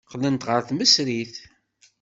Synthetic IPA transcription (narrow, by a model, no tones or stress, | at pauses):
qlənt̪ʁəɾθməsɾiθ